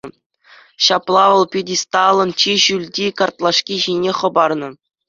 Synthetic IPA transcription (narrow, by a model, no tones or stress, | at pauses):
ɕɑplˠɑʋɤ̆lˠpʲidʲist̪ɑlˠɤ̆nt͡ɕiʑylʲdʲikɑrt̪lˠɑʂkʲiʑinʲeχɤ̆bɑrnɤ̆